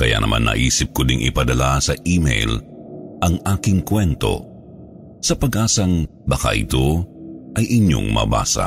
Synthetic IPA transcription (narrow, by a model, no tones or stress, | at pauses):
kɐja̰nɐma̰nːɐ̰ʔiːsɪp̚kʊd̪ɪŋʔɪ̰pɐd̪ɐlasɐʔiːmɛ̰jlʔɐŋʔaːkɪŋkwɛnt̪o̞̰ | sɐpɐɡʔaːsɐŋbɐka̰ʔɪ̰t̪o̞ʔɐjʔɪɲo̰ŋmɐ̰ba̰ːsɐ̰